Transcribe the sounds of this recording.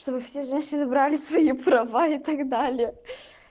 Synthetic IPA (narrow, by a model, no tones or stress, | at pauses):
ʂt̪o̞bɨfsʲeʐɛnʲɕɪnɨbɾalʲɪsvɐipɾɐvait̪ɐɡd̪alʲɪə